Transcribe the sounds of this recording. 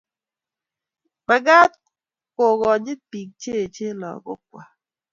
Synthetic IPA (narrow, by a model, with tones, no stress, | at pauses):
ma˨ɡa˦t̪ | ko˨ɡɔ˨d͡ʒɪ˦pi˨k̚t͡ʃe˦˨t͡ʃe˦lɔ̰˨ɡɔ̰˦k̚wa̰˨